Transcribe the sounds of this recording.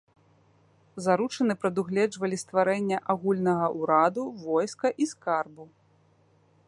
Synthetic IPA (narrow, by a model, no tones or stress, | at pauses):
zaɾut͡ʂɐnɨpɾɐd̪uɣlʲɛd͡ʐvɐlʲist̪vaɾɛnʲːɐʔaɣulʲnɐɣɐʔuɾad̪uvɔjskɐʔiskarbu